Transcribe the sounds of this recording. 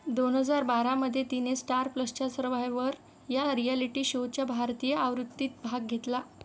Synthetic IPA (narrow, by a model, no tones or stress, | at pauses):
d̪onɦəd͡zaɾbaɾaməd̪ʱːjet̪inesʈaɾpləst͡ɕasəɾʋajʋəɾ | jaɾialiʈiːɕowt͡ɕjabʱaɾt̪ijəʔaʋɾut̪ːiːt̪̚bʱaɡ̚ɡʱet̪la